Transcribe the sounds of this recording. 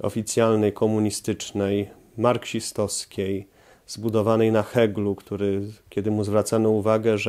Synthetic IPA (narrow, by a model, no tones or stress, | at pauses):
ɔ̰fʲit̪sʲjalnɛjkʰɔmuɲist̪ɘt͡ʂnɛj | maɾkɕist̪ɔskʲej | zbud̪ɔvanɛjnaxɛɡlukt̪uɾɘkʲɛd̪ɘmuzvɾat̪sanɔuvaɡɛʐ